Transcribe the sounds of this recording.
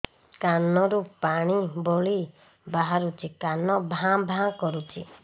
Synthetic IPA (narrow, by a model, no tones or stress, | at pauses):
kanɔɾupaɽ̃iboɭi | baɦaɾut͡ʃʰikanɔbʱãbʱãkɔɾut͡ʃʰi